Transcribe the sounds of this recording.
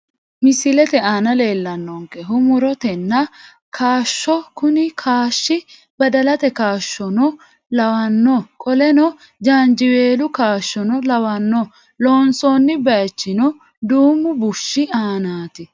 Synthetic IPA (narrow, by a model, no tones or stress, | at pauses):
mɪsɪlɛt̪ɛaːnɐle̞ːlːɐnːɔŋkɛɦʊmʊɾɔt̪ɛnːɐ | kʰaːʃːɔkʊnɪkʰaːʃːɪ | bɐd̪ɐlɐt̪ɛkaːʃːɔnɔ | lɐwɐnːɔkʼɔlɛnɔ | d͡ʒaːnd͡ʒɪweːlʊkaːʃːɔnɔlɐwɐnːɔ | loːnsɔnːɪbɐjt͡ʃːɪnɔ | d̪uːmːʊbʊʃːɪaːnaːt̪ɪ